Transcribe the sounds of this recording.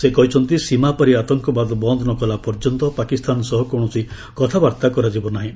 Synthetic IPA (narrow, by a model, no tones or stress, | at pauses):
sekɔɦit͡ʃʰɔnt̪isimapaɾiat̪ɔŋkɔbad̪ɔbɔnd̪ʱɔnɔkɔlapɔɾd͡ʒɔnt̪ɔpakist̪anɔsɔɦɔkɔɽ̃ɔsi | kɔt̪ʰabaɾt̪akɔɾad͡ʒibɔnaɦĩ